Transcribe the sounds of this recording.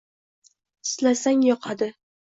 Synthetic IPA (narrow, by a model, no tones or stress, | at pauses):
ɪ̥slasaŋjɒqʰɑd̪ɪ